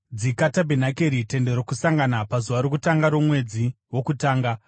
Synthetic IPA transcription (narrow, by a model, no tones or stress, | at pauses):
d͡zikatabʱenakeɾite̞nde̞ɾokusaŋɡanapazuʋaɾokutaŋɡaɾomwe̞d͡zi | wo̞kutaːŋɡa